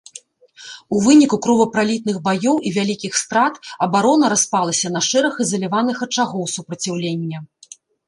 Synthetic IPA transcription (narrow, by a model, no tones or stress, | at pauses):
uvɨnʲikukɾɔvɐpɾalʲit̪̚nɨɣbajɔwivʲalʲikʲixst̪ɾat̪ɐbaɾɔnɐɾaspalˠɐsʲɐnɐʂɛɾɐxɨzɐlʲivanɨxɐt͡ʂaɣɔwsupɾɐt͡sʲawlʲenʲːɐ